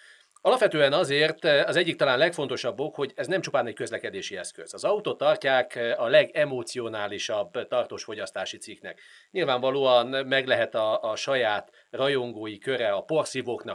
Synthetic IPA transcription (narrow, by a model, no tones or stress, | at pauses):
ɒlɒpʋɛt̪øːɛnɒzeːrt̪ɒzɛɟːik̚t̪ɒlaːnlɛkfo̞nt̪o̞ʃɒbːo̞kho̞ɟɛznɛmt͡ʃupaːnɛckø̞zlɛkɛd̪eːʃiɛskø̰z̥ɒzɒut̪ot̪ːɒrcaːkɒlɛɡɛmoːt̪sio̞naːliʃɒbːt̪ɒrt̪oːʃfo̞ɟɒst̪aːʃit̪siknɛ̰kɲilvaːɱvɒloːɒnmɛɡlɛɦɛt̪ɒʃɒjaːt̪ | rɒjo̞ŋɡoːjikø̞ɾɛɒpo̞rsivoːknɒ